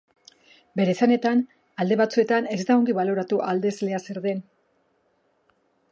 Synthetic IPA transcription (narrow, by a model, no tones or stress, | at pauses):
be̞ɾesane̞t̪an | ald̪e̞βat͡sue̞t̪ane̞zd̪aoŋɡiβalo̞ɾat̪uʔald̪e̞zle̞ase̞ɾðe̞n